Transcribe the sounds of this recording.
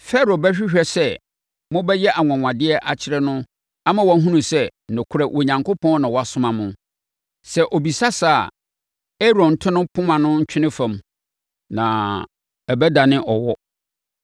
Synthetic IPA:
fɛ˦ɾo˨bɛ˦ɕᶣi˦ɕᶣɛ˨sɛ˦ | mʊ̃˦bɛ˦jɛ˦ʔa˨ŋ˨ã˨ŋʷã˨dɪ˦ɛ˦ʔa˨t͡ɕʰɪ˦ɾɛ˦nʊ̃˦ | a˦mã˨wɔ˨˦ɦũ˦nũ˨sɛ˦˨nɔ̃˨kʰʊ˦ɾɛ˨ʔo˨ɲã˨ŋkʰo˦pʰɔ̃˦nã˨wɔ˨˦a˨sʊ̃˦mã˨mʊ̃˨ | sɛ˦ʔo˨bi˨sa˦saː˦˨ | ɛ˦ɾɔ̃˨n̩˨tʰʊ̃˦nʊ̃˦pʰʊ̃˦mã˨nʊ̃˦ɲ̩˦t͡ɕᶣʰɪ˦nɪ̃˦fã˨m | nã˨ | ɛ˨bɛ˦da˨nɪ̃˦ʔɔ˨wɔ˦

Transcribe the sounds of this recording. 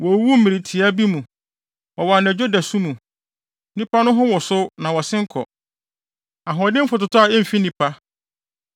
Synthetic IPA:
wɔ˨˦wu˦m̩˦mĩ˨ɾi˨tʰi˨a˦bi˦mũ˨ | ɔ˨wa˨nɛ˨d͡ʑᶣo˦dæ˨sũ˦mũ˨ | nĩ˦pa˦nʊ̃˦ɦʊ̃˦wɔ˨sʊ˦nã˨wɔ˨sɪ̃˦ŋ̩˦kʰɔ̰˨ | a˨ɦɔ˨dɪ̃˦m̩˦fʊ˨tʊ˨tʰʊ˦a˨ɛ˦m̩˨fi˦nĩ˨pʰa˦

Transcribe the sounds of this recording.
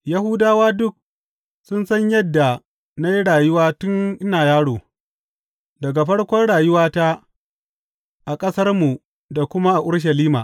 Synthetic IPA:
ja˦ɦʊ˦daː˦waː˦dʊ˦k̚ | sʊ˦nsɐ˦ɲjɐ˦dːa˨ | na˦ji˦ɽaː˨jʊ˦waː˦tʊ˦ŋʔɪ˦naː˨jaː˦ɽoː˨ | dɐ˨ɡa˨ɸɐ˦ɽkʷɔ˦nɽaː˨jʊ˦waː˦ta˦ | ʔa˨kʼɐ˦sɐ˦rmu˨ | da˨kʷʊ˦ma˦ʔa˨ʔʊ˦ɽʃ̬ɐ˨liː˦ma̰ː˨ʔ

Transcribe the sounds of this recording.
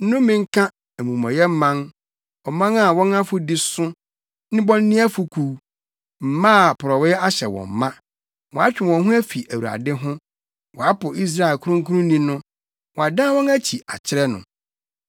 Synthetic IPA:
n̩˦nʊ̃˦mĩ˨ŋ̩˦kʰã˦ | æ˨mũ˨mɔ̃˨jɛ˦m̩˦mːã˦n | ɔ˨mã˦na˦˨wɔ̃˦na˦fʊ˦dɪ˦sʊ˦ | nɪ̃˦bɔ̃˦n˦nɪ̃˦æ˦fʊ˨kʰuː˦ | m̩˨mã˦a˨pʰʊ˨ɾɔ˨wɪ˦a˦ɕɛ˨wɔ̰̃˨m̩˨mã˦ | wɔ̃˨a˦t͡ɕᶣɪ˨wɔ̃˨nɦʊ̃˦æ˦fi˨ʔæ˨wu˨a̰˨dɪ˦ɦʊ̃˦ | wɔ˨a˦pʊ˨ʔi˦s̬ɾa˦e˨lkʰʊ˦ɾʊ̃˦ŋkʰũ˦ɾʊ̃˦nĩ˦nʊ̃˦ | wɔ˨a˨dã˦wɔ̃˦næ˦t͡ɕʰi˨ʔa˨t͡ɕʰɪ˦ɾɛ˦nʊ̰̃˨

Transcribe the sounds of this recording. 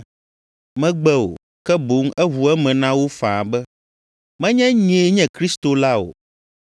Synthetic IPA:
mɛ̃˦ɡ͡bɛ˦o̰˨ | kɛ˦bo˨˦ŋɛ˦ɦu˨ɛ˦mɛ̃˨nã˦wo˦fã˨bɛ˦ | mɛ̃˦ɲɛ̃˦ɲ˨e˦ɲɛ̃˦kɾi˦st̪o˨la˦o̰˨

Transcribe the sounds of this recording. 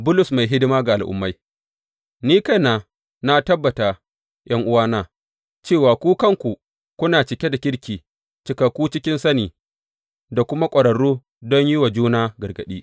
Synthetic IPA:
bʊ˦lʊ˨sma˨jɦɪ˦dɪ˦maː˦ɡa˨ʔa˨lʔʊ̰˨mːa˦j | niː˦ka˦naː˨ | na˦tɐ˦bːɐ˨ta˨ | jʔɐ˦ŋʔʊ˦waː˦naː˦˨ | t͡ʃeː˦˨waː˨kʷuː˦kɐ˦˨ŋkʷu˨ | kʷʊ˦naː˨t͡ʃɪ˨kʲe˦da˨kʲɪ˦ɽkʲiː˨ | t͡ʃɪ˨˦ka˨kʷːuː˦t͡ʃɪ˦kʲɪ˦nsɐ˦niː˨ | da˨kʷʊ˦ma˦kʷʼɐ˨ɽɐ˨ɽuː˦ | dɔ˦ɲji˦wa˨d͡ʒuː˦naː˦ɡɐ˨ɡɐ˨ɗiː˦ʔ

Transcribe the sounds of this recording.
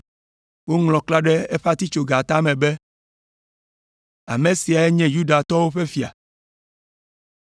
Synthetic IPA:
wo˦ŋlɔ̃˨kla˦ɖɛ˦e˦ɸa˦t̪i˦t͡ʃo˨ɡa˨t̪a˦mɛ̃˨bɛ˦ | a̰˨mẽ˨si˨a˨ɛ˦ɲɛ̃˦ju˦ɖa˨t̪ɔ˦wo˦ɸe˦fi˨a̰˨

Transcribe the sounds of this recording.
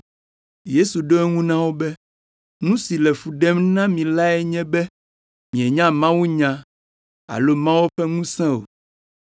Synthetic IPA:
je˦su˨ɖo˦ɛ˦ŋũ˦nã˦wo˦bɛ˦ | nũ˦si˨lɛ˨fu˨ɖɛ˦mnã˦mĩ˨la˦ɛ˦ɲɛ̃˦bɛ˦ | mĩ˨ɛ˨ɲã˦mã˦wu˦ɲã˦ | a̰˨lo˦mã˦wo˦ɸɛ˦ŋũ˦sɛ̃˦o̰˨

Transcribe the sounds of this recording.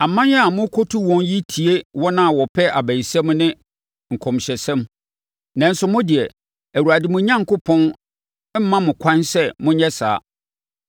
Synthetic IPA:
a˨mã˦njɛ˦a˨mʊ̃˦kʰo˦tʰu˦wɔ̃˦nji˦tʰi˨e˦wɔ˦nã˦a˨wɔ˨pʰɛ˦ʔa˨bæ̃˨sɛ̃˦mnɪ̃˦ | ŋ̩˨kʰɔ̃˨mɕɛ˨sɛ̃˦m | nã˨n̩˦sʊ˨mʊ̃˦dɪ˨ɛ˨ | æ˨wu˨ɾa˨dɪ˨mʊ̃˦ɲã˦ŋkʊ˦pʰɔ̃˦n˦ | m̩˦mã˦mʊ̃˨kʷʰã˦nsɛ˦mʊ̃˦ɲɛ˦sa̰ː˨˦

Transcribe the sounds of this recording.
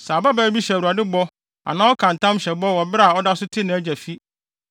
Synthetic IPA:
sa˨ba˦bæː˦bi˦ɕɛ˨wu˨a˨dɪ˦bɔ˦ | a̰˨nã˦ɔ˦kʰã˨n˨tã˦mɕɛ˨bɔ˦wɔ˨bɪ˦ɾa˨ɔ˦da˦sʊ˦tʰɪ˦nã˨æ˦d͡ʑɛ˨fi˦

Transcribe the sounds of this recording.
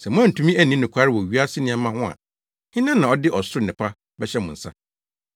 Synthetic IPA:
sɛ˨mʊ̃˦ã˦n̩˨tʰũ˦mĩ˦æ˨nĩ˦nʊ̃˨kʷʰa˦ɾɪ˦wɔ˨ɥi˦a˦sɪ˦nɪ̃˦ã˨mã˦hʊ̃˦a̰˨ | hɪ̃˦nã˦nːã˨ɔ˦dɪ˦ʔɔ˨sʊ˦ɾʊ˦˨nɪ̃˨pʰa˦ | bɛ˦ɕɛ˦mʊ̃˨n̩˨sa̰˦

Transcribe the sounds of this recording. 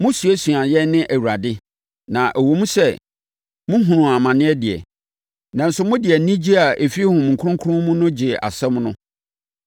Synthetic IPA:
mʊ̃˦su˨ɛ˦su˨a˨jɛ˦nɪ̃˦ʔæ˨wu˨ɾa˨dɪ˦ | nã˨ʔæ˨wo˨mũ˦sɛ˦ | mʊ̃˦ɦũ˨ɾũ˨a˨mã˨nɪ̃˦ɛ˦dɪ˨ɛ̰˨ | nã˨n̩˦sʊ˦mʊ̃˦dɪ˨ɛ˨˦nĩ˦d͡ʑi˦a˨ʔe˨fi˦hʊ̃˨m̃˨ŋ̩˨kʰʊ̃˦ŋkʰʊ˦ʊ̃˦mʊ̃˦nʊ̃˦d͡ʑɪ˨a̰˨sɛ˦mnʊ̃˦

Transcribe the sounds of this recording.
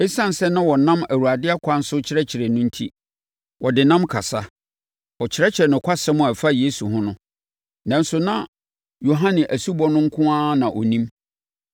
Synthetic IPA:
ɛ˦sã˦n̩˨sɛ˦nã˦wɔ˨nã˦mæ˨wu˨a˨dɪ˦a˦kʷʰa˦n̩˦sʊ˦t͡ɕʰɪ˦ɾɛ˦t͡ɕʰɪ˨ɾɛ˨nʊ̃˦n̩˦tʰi˦ | wʔɔ˨dɪ˨nã˦mkʰa˨sa˦ | wɔ˨t͡ɕʰɪ˦ɾɛ˦t͡ɕʰɪ˨ɾɛ˨nʊ̃˨kʷʰa˦sɛ˦mʊ̃˦˨a˨fa˦je˦su˨ɦʊ̃˦nʊ̃˦ | nã˨n̩˦sʊ˦nã˦ | jo˨ɦã˦nɪ̃˨ʔæ˨su˦bɔ˦nʊ̃˦ŋ̩˦kʰʊ̃˦aː˦nã˨ʔɔ̰˨nĩ˦m

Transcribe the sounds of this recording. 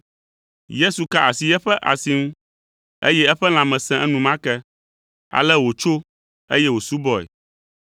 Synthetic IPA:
je˦su˨ka˦a˨si˨jɛ˦ɸɛ˦ʔa̰˨si˦ŋũ˦ | ḛ˦jɛ˦ɛ˦ɸɛ˦l̃ã˨mɛ̃˨sɛ̃˦ʔɛ˦nũ˨mã˦kɛ˦ | a̰˨lɛ˦wo˨t͡ʃo˦ | e˦jɛ˦wo˨su˦bɔ˦ɛ̰˨

